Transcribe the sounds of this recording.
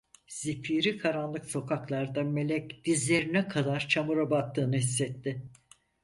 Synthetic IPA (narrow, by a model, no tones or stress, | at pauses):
z̥ipʰiːɾikʰaɾanlˠɯkso̞kʰaklˠaɾd̪ame̞lʲɛcd̪̥izlʲe̞ɾinɛkʰad̪aɾt͡ʃʰamuɾabak̚t̪ːɯːnɯhisːɛt̪ːɪ